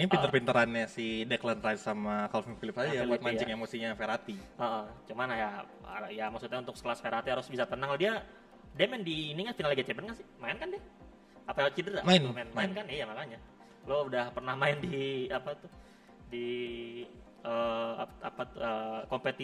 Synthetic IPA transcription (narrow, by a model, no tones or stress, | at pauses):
pint̪ərpint̪əɾanɲasidɛklant̪rajt̪samakalofifilɪpsad͡ʒjabuat̪̚maɲt͡ʃɪkemosiɲafeɾat̪iəʔət͡ʃumanaja | jamaksut̪̚ɲaunt̪ʊkskəlasfeɾhat̪iɦaɾʊsbisat̪ənaŋdia | demɛndiːniɲafinalɡat͡ʃɛpənkansɪmaɪnkandɪh | apajat͡ʃidəraʔmaɪnmaɪnmaɪnkanɪjamakaɲa | loudahpərnahmaɪndiapat̪u | di | əaapat̪uəkompet̪i